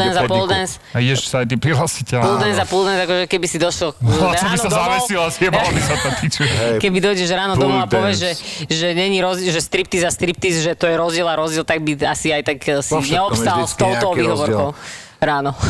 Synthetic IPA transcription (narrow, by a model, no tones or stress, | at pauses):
ɛnzapɔld̪ɛns | aiɛʃsaajt̪̬ipɾiɦlasicɛpulˠd̪ɛnzapulˠd̪ɛnzakɔʒɛkɛbisid̪ɔʃlɔsɔbisazaʋɛsilasɛaɔnisat̪at̪it͡ʃukɛbid̪ɔjɟɛʒɾaːnɔd̪ɔmuapɔʋjɛzʒɛʒɛɲɛɲiɾɔzʒɛst̪ɾipt̪izast̪ɾip̚t̪izʒɛt̪ɔjɛɾɔzd͡ʑɪɛlaɾɔzd͡ʑɛlt̪aɡ̚biasiajt̪aɡsiɲɛɔpssalst̪ɔʊt̪ɔʋiːɦɔʋɔɾkɔʊ | ɾaːnɔ